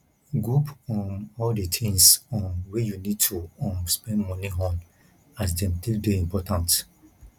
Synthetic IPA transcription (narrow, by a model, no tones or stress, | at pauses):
ɡɾupɔ̃nɔldetʰĩŋsɔ̃nwejunid̚tʰuɔ̃mspɛ̃ndmɔniɦɔ̃n | as̬dɛ̃mtilbeĩmpɔtãnt